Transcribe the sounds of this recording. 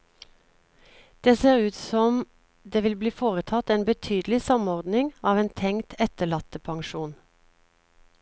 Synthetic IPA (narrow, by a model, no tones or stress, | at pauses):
d̪̥eːseːʁʉːt̪sɔm | d̪eːʋɪlbliːfoːʁət̪ʰɑt̪eːnbət̪ʰyːd̪lɪsɑmɔʁd̪nɪŋɑːʋeːnt̪ʰɛŋt̪ʰɛt̪əɭɑt̪əpʰɑŋʃuːn